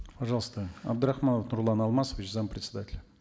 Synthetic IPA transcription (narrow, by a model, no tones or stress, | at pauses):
paʐɑlˠəst̪əa̰b̚d̪ɨɾaxmanəfnuɾlˠɑnɑlˠmɑsəvʲɪt͡ɕzampɾʲɪt̪ʲsʲɪd̪atʲɪlʲ